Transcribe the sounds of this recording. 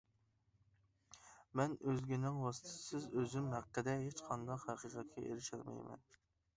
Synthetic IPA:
mɛnøzɡʲinɪŋwɑsɨ̥t̪ʰsɪzøzymhæqːəd̪ɛɦet͡ʃqʰɑnd̪ɑqhæqiqʰɑt̪̚kʲʰɛʔḛɾɪʃæɾmɛ̰jmɛ̰n

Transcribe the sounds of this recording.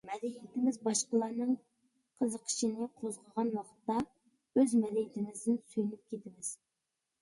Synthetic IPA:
mɛd̪ɛjit̪ɪmɪzbɑʃqəlˠɑɾnɨŋ | qʰəzəqʰə̥ʃinɪqʰozʁəʁɑnwɑqʰt̪ːɑ | øzmɛd̪ɛjit̪ʰɪmɪzd̪ɪnsyjynyp̚kʲʰet̪ʰɪmɪz̥

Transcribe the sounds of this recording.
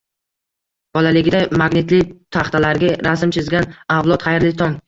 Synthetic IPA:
b̥ɒlalɪɡʲd̪ajmaɡnɪt̪lɪt̪ʰaχt̪alaɾɡʲaɾasɪmt͡ʃʰɪzɡʲanawlˠɒt̪χʰajɾlɪt̪ʰɒŋ

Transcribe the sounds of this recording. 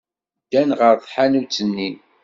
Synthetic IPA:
d̪ːænʁəɾðˤħanut͡sːənːin

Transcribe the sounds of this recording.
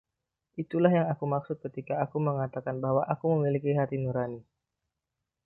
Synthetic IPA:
ʔit̪ulaɦjaŋakumaksʊt̪̚kət̪ikaːkuməŋat̪akanbahwaʔakuməmilikiɦat̪inuɾani

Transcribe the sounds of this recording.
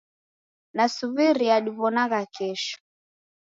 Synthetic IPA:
nasuβiɾiaɗiβɔnaɣakɛʃɔ̥

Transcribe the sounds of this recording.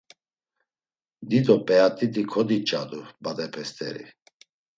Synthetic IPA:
d̪id̪ɔpʼɛat̪ʼid̪ikʰɔd̪it͡ʃʼad̪ubad̪ɛpʰɛst̪ʰʼɛ̰ɾḭ

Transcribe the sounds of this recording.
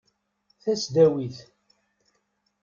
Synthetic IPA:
θæsd̪æwiθ

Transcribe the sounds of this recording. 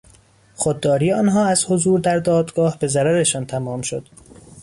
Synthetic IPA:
xod̪̚ːɒːɾiːɒːnɦɒːæzhozuːɾd̪æɾd̪ɒːd̪ɡɒːhbe̞zæɾæɾeʃɒːnt̪ʰæmɒːmʃod̪̥

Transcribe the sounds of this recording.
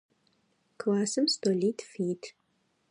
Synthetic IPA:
kʰlaːsɨmstoliːtʰfiːtʰ

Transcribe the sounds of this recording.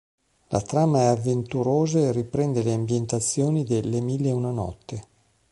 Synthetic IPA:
la̰t̪ɾaːmaɛavːent̪uɾoːzaeripɾɛnd̪eleambjent̪at̪sːjoːnid̪elːemilːeunanɔ̰t̪ːe

